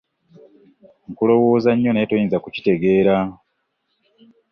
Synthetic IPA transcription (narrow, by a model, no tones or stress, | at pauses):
ŋ̩kulo̞wo̞ːzaɲːo̞neːtojiːnzakuci̥te̞ɡe̞ːɾa